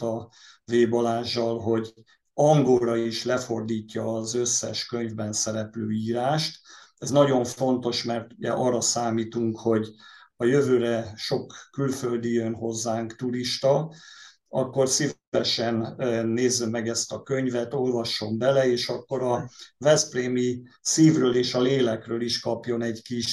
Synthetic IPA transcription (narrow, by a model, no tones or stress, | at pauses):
t̪ɒ | veːbɒlaːʒːɒlɦo̞ɟ | ɒŋɡolɾɒiʃlɛfo̞rd̪iːcːɒːzøsːɛʃkøɲvbɛnsɛɾɛpløːiːɾaːʃt̪ɛznɒɟo̞ɱfo̞nt̪o̞ʃmɛrt̪uɟɛ̰ʔɒrːɒsaːmiːt̪uŋkho̞ɟɒjøvøːɾɛʃo̞kːylføld̪iønɦo̞zːaːŋkt̪uɾiʃt̪ɒ | ɒkːo̞rsiv | ɛʃɛnːeːzːɛmːɛɡɛst̪ɒkøɲvɛt̪o̞lvɒʃːo̞mbɛlɛeːʃɒkːo̞ɾɒvɛspreːmi | siːvrøːleːʃɒleːlɛkrøːliʃkɒpjo̞nɛɟkiʃ